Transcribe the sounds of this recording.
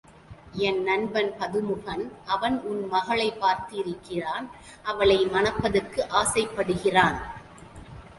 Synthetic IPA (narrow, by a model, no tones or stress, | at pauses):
ɛnːɐnbɐnpɐðɯmɯɣɐnʔɐʋɐnʊnmɐɣɐɭɐɪpːaːɾt̪ɯɪɾɯkːɪraːn | ʔɐʋɐɭɐɪmɐnɐpːɐðɯrkːɯʔaːsɐɪpːɐɽɯɣɪraːn